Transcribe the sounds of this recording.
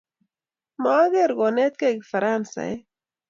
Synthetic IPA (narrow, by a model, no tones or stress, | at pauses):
maːɡeɾɣonet̪keɡfaɾaːnsa̰